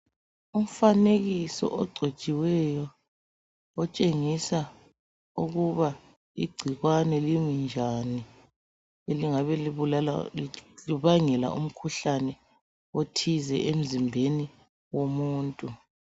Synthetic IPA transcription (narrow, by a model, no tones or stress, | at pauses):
um̩faneɣisɔ̰ʔɔɡ͡ǀʱet͡ʃʼiwɛjɔ | ɔt͡ʃʼeŋisa | uɣuβa | iɡ͡ǀʱiɣwanɛlimind͡ʒʱani | eliŋaβɛliβulal | liβaŋɛla̰ʔum̩kʰuɬanɛ | otʰizɛʔem̩zimbʱeni | womuːntʼu